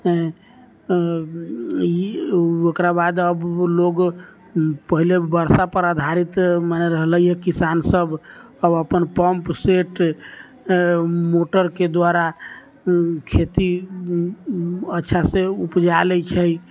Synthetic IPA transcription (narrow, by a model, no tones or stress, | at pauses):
iokɾabad̪əbloɡ | pəɦilebəɾsapəɾad̪ʱaɾit̪manɛɾəɦləjɛkisansəb | əbəpənpəmpseʈ | moʈəɾked̪waɾa | kʰet̪i | ətːʃʰaseupd͡ʒalɛt͡ʃʰəj